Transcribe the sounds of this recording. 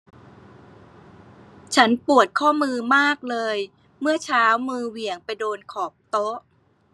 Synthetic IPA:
t͡ɕʰa˦˥npu˨˩ət̪̚kʰɔː˥˩mɯː˧maː˥˩k̚lɤː˧j | mɯ˥˩ət͡ɕʰaː˦˥wmɯː˧wi˨˩əŋpa˧jdoː˧nkʰɔː˨˩p̚t̪o˦˥ʔ

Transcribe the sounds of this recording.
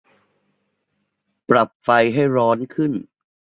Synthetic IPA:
pɾa˨˩p̚fa˧jɦa˥˩jɾɔː˦˥nkʰɯ˥˩n

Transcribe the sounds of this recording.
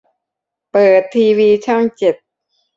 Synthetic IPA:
pɤː˨˩t̪ʰːiː˧wiː˧t͡ɕʰa˥˩ŋt͡ɕe˨˩t̪̚

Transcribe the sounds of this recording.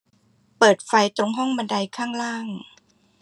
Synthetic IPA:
pɤː˨˩t̪̚fa˧jt̪ɾo˧ŋɦɔ˥˩ŋma˧nda˧jkʰaː˥˩ŋɾaː˥˩ŋ

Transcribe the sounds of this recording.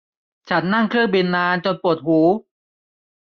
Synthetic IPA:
t͡ɕʰa˦˥nːa˥˩ŋkʰɾɯ˥˩ŋbi˧nːaː˧nt͡ɕo˧npu˨˩ət̪̚huː˩˦

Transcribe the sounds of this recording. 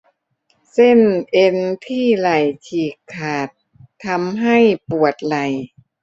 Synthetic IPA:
se˥˩nʔe˧nt̪ʰiː˥˩la˨˩jt͡ɕʰiː˨˩kʰːaː˨˩t̪ʰː | a˧˥mɦa˥˩jpu˨˩ət̪̚la˨˩j

